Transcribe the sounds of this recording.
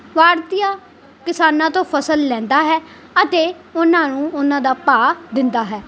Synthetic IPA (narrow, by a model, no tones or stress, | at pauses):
ʋaːɾt̪ijaː | kɪsaːnãːt̪õːpʰəsəlːɛ̃ːnd̪aːɦɛː | ət̪eː | ʊnãːnũːʊnãːd̪aːpaːd̪ɪnd̪aːɦɛː